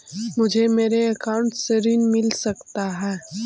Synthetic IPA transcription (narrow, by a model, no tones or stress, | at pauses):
mʊd͡ʒʱemeːɾeɐkaːʊ̃ɳʈseɾinmɪlsɐkt̪aɦɛː